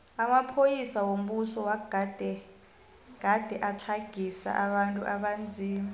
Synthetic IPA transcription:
amapʰojisawom̩ɓusɔwaɡad̥ʱɛ | ɡ̥ʱad̥ʱɛʔat͡ɬʰaɡ̥ʱisa̰ʔaɓantʼuʔaɓand͡zʱiːmi

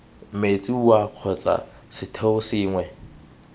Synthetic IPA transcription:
m̩met͡sʼiwaq͡χʰɔt͡sʼa̰ | sɪtʰeʊsɪːŋwɛ

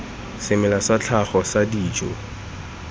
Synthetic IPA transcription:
sɪmɛlasat͡ɬʰaχɔsadiːt͡ʃʼɔ̰

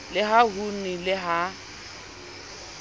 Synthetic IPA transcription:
lɪɦaɦunilɪɦa

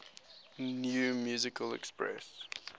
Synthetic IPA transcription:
njumjuːzɪkʰəlɛ̰kspɹɛ̰s

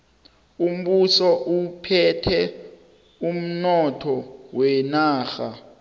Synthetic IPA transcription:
um̩ɓusɔʔupʰɛtʰɛ | um̩nɔtʰɔwɛnaːxa

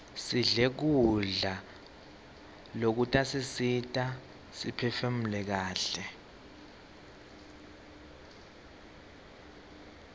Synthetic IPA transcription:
siɮek̬uɮa | lok̬utʼasisitʼa | sipʰɛfem̩lɛk̬aːɬɛ

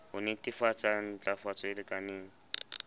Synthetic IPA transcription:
hʊnɪtifat͡sʼan̩t͡ɬʼafat͡sɔɪlɪkʼanɪːŋ̩

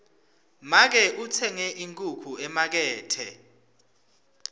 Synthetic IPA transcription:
mak̬ɛʔut͡sʰɛŋɛʔiŋkʼukʰuɛmak̬ɛːtʰɛ̰

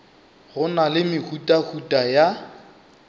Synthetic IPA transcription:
ɣʊnalɪmɪkʰutʼakʰutʼaja

